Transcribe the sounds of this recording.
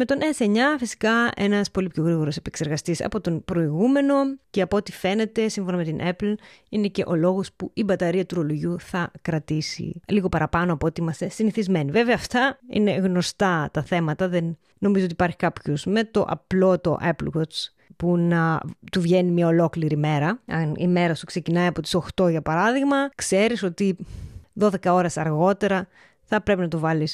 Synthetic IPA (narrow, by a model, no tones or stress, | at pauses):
me̞t̪o̞nʔeseɲɐfisi̥kɐe̞̰nɐspo̞lipço̞ɣɾiɣo̞ɾose̞pekse̞ɾɣɐst̪isɐ̰po̞t̪o̞npɾo̞iɣume̞no̞ceɐpoot̪ife̞ne̞t̪e̞siɱfo̞nɐme̞t̪inʔepl̩ine̞ce̞̰ʔo̞lo̞ɣo̞spuibɐt̪ɐɾiɐt̪uɾoloʝuθɐkɾɐt̪isḭliɣo̞pɐɾɐpɐnoɐpot̪iimɐst̪e̞siniθizme̞niveveɐːft̪ɐḭne̞ɣno̞st̪ɐt̪ɐθe̞mɐt̪ɐðenː | o̞mizoot̪ipɐɾçi̥kɐpçozme̞t̪o̞ʔɐ̰plo̞t̪o̞̰ʔeplwot͡s | punɐt̪uvʝe̞nimɲɐo̞lo̞kliɾime̞ɾɐɐnḭme̞ɾɐsukse̞cinɐiɐpo̞t̪i̥so̞xt̪o̞ʝɐpɐɾɐðiɣmɐkseɾiso̞t̪iðo̞ðe̞kɐo̞ɾesɐɾɣo̞t̪e̞ɾɐ | θɐpɾe̞pinɐt̪ovɐlis